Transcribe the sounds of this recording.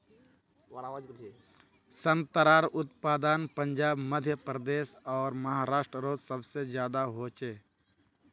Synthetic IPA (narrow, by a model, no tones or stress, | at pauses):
sə̃nt̪əɾaːɾʊt̪paːd̪anpə̃ɲd͡ʒaːbməd̪ʱjəpɾəd̪eːsɔːɾməɦaːɾaːʃʈɾəɾoːd͡ʒsəbsed͡ʒjaːd̪aɦoːt͡ʃeː